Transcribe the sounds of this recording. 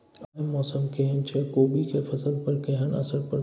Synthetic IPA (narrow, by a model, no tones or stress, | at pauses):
mɔːsəmkeɦənt͡ʃʰekoːbikefʰɐsəlpɐɾkeɦənɐ̰səɾpəɾ